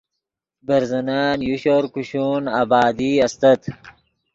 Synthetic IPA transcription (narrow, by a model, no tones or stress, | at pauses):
bɐɾzɐnaːnjuɕoɾkuɕuːnaːbaːd̪iɐst̪ɐt̪